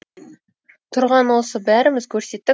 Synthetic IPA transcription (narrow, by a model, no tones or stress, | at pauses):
t̪ʰʊɾʁɑnwo̞səbæɾɪmɪzkʲʰɵɾse̞t̪ːɪ